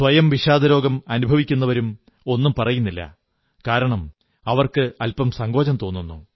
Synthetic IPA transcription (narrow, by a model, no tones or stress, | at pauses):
sʋɐjɐmʋiɕaːd̪ɐɾo̞ːɡɐmɐnubʱɐʋikʲːun̪ːɐʋɐɾum | o̞nːumpɐrɐjunːilːɐ̰ | kaːɾɐɳɐm | ɐʋɐrkɨɐlpɐmsɐŋɡo̞ːt͡ɕɐmt̪o̞ːnːunːṵ